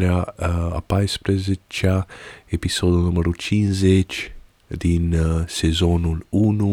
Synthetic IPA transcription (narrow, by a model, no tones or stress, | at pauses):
laa̰pajspɾezet͡ʃaepisod̪unuməɾut͡ʃinzet͡ʃ | d̪insezonulunu